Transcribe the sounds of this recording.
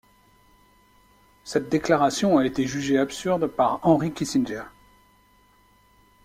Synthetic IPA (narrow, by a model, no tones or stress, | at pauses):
sɛt̪̚d̪eklaʁasjɔ̃aet̪eʒyʒeapsyʁd̪paʁɑ̃ʁikʲisinʒɛʁ